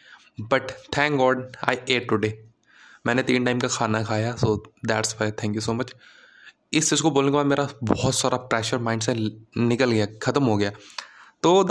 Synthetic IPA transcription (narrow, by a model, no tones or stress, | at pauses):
bɐʈt̪ʰɛ̃ːŋkɡɔːɖa̰ːɪeːʈʊɖeː | mɛ̃ːnet̪ĩːnʈaːɪmkakʰaːnakʰaːjasoːd̪ɛːʈsfaɪt̪ʰɛ̃ːŋkjusoːmɐt͡ʃ | ɪst͡ʃiːd͡ʒkoboːlekebaːd̪meːɾabɔɦt̪saːɾapɾɛːʃəɾmãːɪ̃ɳɖsenɪkəlɡɐjaːkʰɐt̪əmɦoɡɐjaːt̪oː